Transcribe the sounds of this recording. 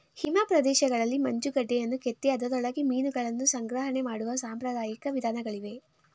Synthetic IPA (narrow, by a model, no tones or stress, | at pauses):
himaːpɾɐd̪ɛːʃɐɡɐɭɐlːimɐɲd͡ʒuɡɐɖːejɐnːuket̪ːiɐd̪ɐd̪ɔɭɐɡimiːnuɡɐɭɐnːusɐŋɡɾɐɦɐɳe̞maːɽuʋɐsaːmpɾɐd̪aːjikɐʋid̪ʱaːnɐɡɐɭiʋe̞